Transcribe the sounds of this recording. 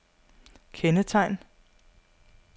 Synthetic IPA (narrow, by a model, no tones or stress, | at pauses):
kʰenət͡sʰɑ̈ɪ̰n